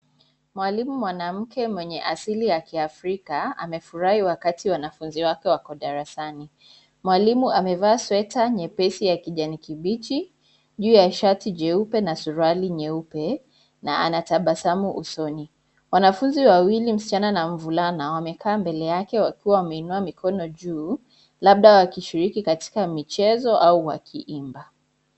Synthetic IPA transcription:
mwalimumwanam̩kɛmwɛɲɛʔasilijakiafɾikaa̰mɛfuɾahiwakatʰiwanafunziwakɛwakɔɗaɾasani | mwalimuamɛvaːswɛtaɲɛpɛsijakiʄanikiɓit͡ʃi | ʄuːjaʃatiʄɛupɛnasuɾaliɲɛupɛ | naʔanataɓasamuʔṵsɔni | wanafunziwawilim̩si̥t͡ʃananaɱ̩vulanawamɛkʰaːmbɛlɛjakɛwakiwawamɛinuamikʰɔnɔʄuː | laɓ̚ɗawakiʃiɾikikati̥kamit͡ʃɛzɔʔauwa̰kʰiʔimba

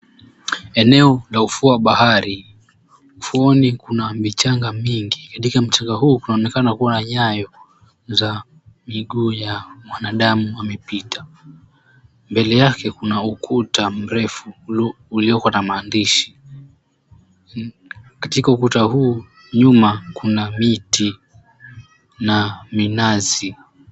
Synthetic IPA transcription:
ɛnɛɔlaufuaɓahaɾi | ufuɔnikunamit͡ʃaŋɡamiŋɡikatikam̩t͡ʃaŋɡahuːkunaɔnɛkanakuwanaɲajɔ | za | miɠuːjamwanaɗamuamɛpitʰa | mbɛlɛjakɛkunaukʰutam̩ɾɛfuː | liɔkwanamaːndiʃi̥ | katikaukutahuː | ɲumakunamiti | naminazi

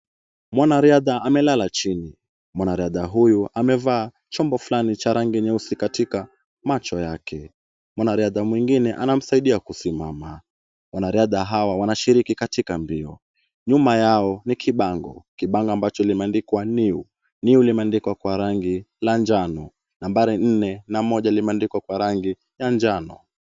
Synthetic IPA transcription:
mwanaɾiaðaʔamɛlalat͡ʃini | mwanaɾiaðaɦujuʔamɛvaː | t͡ʃɔmbɔflanit͡ʃaɾaŋɡiɲɛusikatika | mat͡ʃɔjakʰɛ | mwanaɾiaðamwiŋɡinɛʔanam̩saiɗiakusimama | wanaɾiaðaɦawawanaʃiɾikikatikambiɔ | ɲumajaɔnikʰiɓaŋɡɔ̰kiɓaŋɡɔambat͡ʃɔlimɛandikwaniu | niulimɛandikwakwaɾaŋɡi | land͡ʒanɔ | nambaɾin̩nɛnamɔʄalimɛandikwakwaɾaŋɡi | jand͡ʒanɔ̰

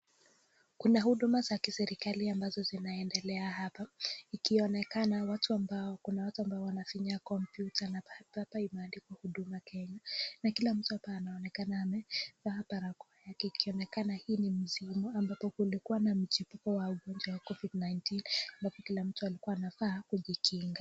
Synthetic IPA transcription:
kunahuɗumazakisɛɾikaliambazɔzinaɛndɛlɛahapaikiɔnɛkanawatuambaɔkunawatuambaɔwanafiɲakɔmpjutʰanapapaimanlikwahuɗumakɛɲanakilam̩tuhapaːnaɔnɛkanaːmɛfaapaɾakɔajakɛikiɔnɛkanahiːnim̩zimuambapɔkulikuwanam̩t͡ʃipukɔwauɠɔnd͡ʒwawakɔvidnajntinambapɔkilam̩tualikuaːnafaːkuʄikʰiŋɡa

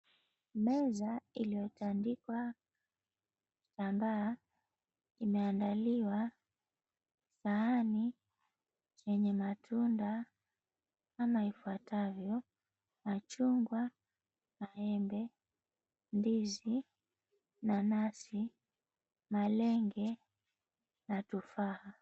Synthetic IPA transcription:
mɛzailijɔtandikwa | tambaː | imɛandaliwa | saːni | t͡ʃɛɲɛmatʰunda | amaifuatʰavjɔ | mat͡ʃuŋɡwa | maɛmbɛ | ndizi | nanasi | malɛŋɡɛ | natufaha

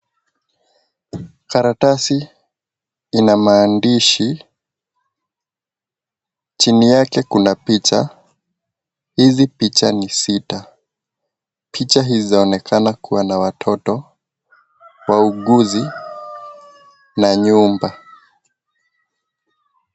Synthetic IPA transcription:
kaɾatasi | inamaːndiʃi | t͡ʃinijakɛkunapit͡ʃa | hizipit͡ʃanisita | pʰit͡ʃaɦizizaɔnɛkʰanakuwanawatʰɔtɔ | wauɠuzi | naɲumba

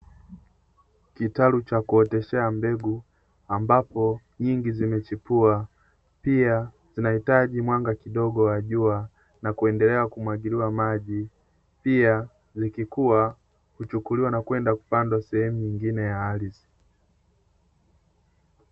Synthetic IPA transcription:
kitalut͡ʃakuɔtɛʃɛambɛɡu | ambapɔ | ɲiŋɡizimɛt͡ʃipua | pia | zinahitaʄimwaŋɡakiɗɔɡɔwaʄua | nakuɛndɛlɛakumwaɡiliwamaʄi | pia | zikikua | hut͡ʃukuliwanakwɛndaku̥pandwasɛhɛmuɲiŋɡinɛjaːlisi̥

